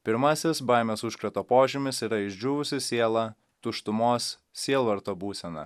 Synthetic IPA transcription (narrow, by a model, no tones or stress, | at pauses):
pʲɪɾmɐsʲɪsbɐˑɪmʲoːsʊʃkɾɐt̪oːpoːʒʲɪmʲɪsiːɾɐɪʒʲd͡ʒʲuːʋʊsʲɪsʲeɛlˠɐ | t̪ʊʃt̪ʊmoːs | sʲiɛlˠʋɐɾt̪oːbuːsʲɛnɐ̰